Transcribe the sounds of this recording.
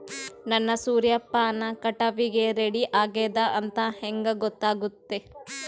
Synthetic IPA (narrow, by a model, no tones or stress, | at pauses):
nɐnːɐsuːɾjɐpːaːnɐkɐʈɐʋiɡeɾeɽiʔaːɡeːd̪ɐʔɐnt̪ɐheŋɡɐɡɔt̪ːaːɡut̪ːe